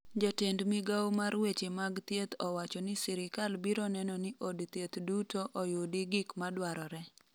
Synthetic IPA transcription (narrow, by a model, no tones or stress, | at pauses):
d͡ʒɔtendmiɡawmaɾwet͡ʃemaɡt̪jet̪ɔwat͡ʃɔnɪsɪɾɪkalbiɾɔnɛnɔnɪʔodt̪jet̪dutoʔɔjodɪɡɪkmadwaɾɔɾɛ